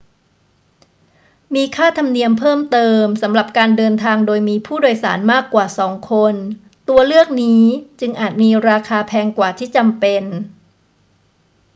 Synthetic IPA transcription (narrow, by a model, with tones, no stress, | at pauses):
miː˧kʰaː˥˩t̪ʰa˧mni˧əmpʰɤː˥˩mt̪ɤː˧msa˩˦mɾa˨˩p̚kaː˧ndɤː˧nt̪ʰaː˧ŋdoː˧jmiː˧pʰuː˥˩doː˧jsaː˩˦nmaː˥˩kːwaː˨˩sɔː˩˦ŋkʰo˧n | t̪u˧ɐlɯ˥˩ək̚niː˦˥t͡ɕɯ˧ŋʔaː˨˩t̪̚miː˧ɾaː˧kʰaː˧pʰɛː˧ŋkwaː˨˩t̪ʰiː˥˩t͡ɕa˧mpe˧n